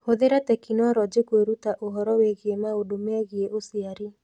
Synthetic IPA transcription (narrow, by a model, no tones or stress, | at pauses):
hoðeɾatɛkinwɔɾɔd͡ʒekweɾutaʔoɦɔɾɔweɣiemaodomɛɣieʔosiaɾi